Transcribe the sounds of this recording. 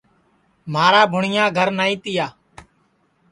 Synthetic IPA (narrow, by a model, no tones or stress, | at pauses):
maːɾaːbʱʊɳɪjãːɡʱəɾnaːĩːt̪ɪjaː